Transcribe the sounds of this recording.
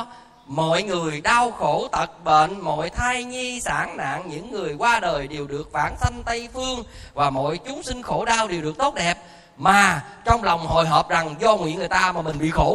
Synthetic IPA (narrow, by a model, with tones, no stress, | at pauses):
mɔ̰˧˨jŋɨ˨˩əjɗaː˧wxo˧˩t̪ə˨˩t̚ɓḛ˧˨nmɔ̰˧˨jt̪ʰaː˧jɲi˧saː˧˩ŋna̰ː˧˨ŋɲɨ̰˧˥ŋːɨ˨˩əjkwaː˧ɗəː˨˩jɗe˨˩wɗɨ˨˩ək̚va̰ː˧˩nsa˧jŋ̟t̪ə˧jfɨ˧əŋvaː˨˩mo̰˧˨jt͡ɕʊ˨˦ŋ͡msï˧ŋ̟xo˧˩˦ɗaː˧wɗe˨˩wɗɨ˨˩ək̚t̪o˦˥t̚ɗɛ˨˩p̚ | maː˨˩t͡ɕɔ˧wŋ͡mlɔ˨˩wŋ͡mho̰˧˨jɦəː˨˩p̚za˨˩ŋzɔ˧ŋ͡mwḭ˧˥əŋː˨˩ə˩t̪aː˧maː˨˩mï˨˩ŋ̟ɓḭ˧˨xo˧˩